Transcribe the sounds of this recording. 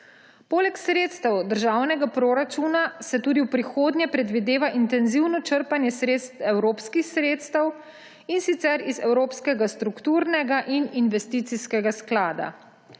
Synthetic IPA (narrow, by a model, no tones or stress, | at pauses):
poːlɛksɾeːt̪st̪ɛwd̪əɾʒawnɛɡapɾoːɾat͡ʃunasɛt̪uːd̪iwpɾixoːd̪nʲɛpɾɛd̪ʋid̪eːʋaʔint̪ɛnziwnɔt͡ʃəɾpanjɛsɾeːt̪st̪ɛwɾoːpskixsɾeːt̪st̪ɛw | insit̪sɛɾizɛwɾoːpskɛɡast̪ɾukt̪uːɾnɛɡaʔininʋɛst̪iːt̪siskɛɡasklaːd̪a̰